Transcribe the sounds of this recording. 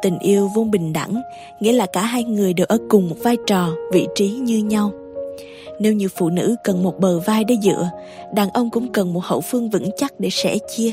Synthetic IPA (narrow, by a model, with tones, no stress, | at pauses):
t̪ï˨˩ŋ̟ʔi˧əwvu˧nɓï˨˩ŋ̟ɗa̰˧˩ŋ | ŋḭ˧˥əlaː˨˩kaː˧˩ɦaː˧jŋɨ˨˩əjɗe˨˩wʔəː˧˦kʊ˨˩ŋ͡mmo˨˩t̚vaː˧jt͡ɕɔ˨˩vḭ˧˨t͡ɕi˨˦ɲɨ˧ɲa˧w | ne˧wɲɨ˧˨əwfṵ˧˨nɨ̰˧˥kə˨˩nmo˨˩t̚ɓəː˨˩vaː˧jɗe˧zɨ̰˧˨ə | ɗaː˨˩nʔə˧wŋ͡mkʊ̰˧˥ŋ͡mkə˨˩nmo˨˩t̚hə̰˧˩wfɨ˧əŋvɨ̰˧˥ŋt͡ɕa˦˥t̚ɗe˧˩sɛ̰˧˥t͡ɕi˧ə